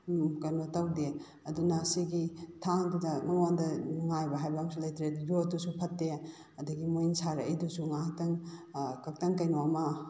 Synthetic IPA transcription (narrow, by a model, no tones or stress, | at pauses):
kɐjnotawde | ɐdunɐsiɡitʰaŋdudɐŋɐŋandɐnuŋajbɐɦajbamsulɐjtɾetjotusupʰɐtːe | ɐdɐɡimojnsaɾɐɐjdusuŋak̚tɐŋkɐk̚tɐŋkɐjnoamɐ